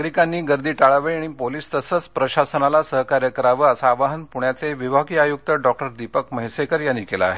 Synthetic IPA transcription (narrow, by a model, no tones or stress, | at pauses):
ɡɾikanːiːɡəɾd̪iːʈaɭaʋəjɽ̃ipoliːst̪əsət͡spɾəɕasənalasəɦkaɾjəkəɾaʋəəsaːʋaɦənpuɳjat͡seʋiʋʱaɡiːajuk̚t̪əɖɔk̚ʈəɾd̪ipəkməɦjsekəɾjanːiːkela̰ːɦe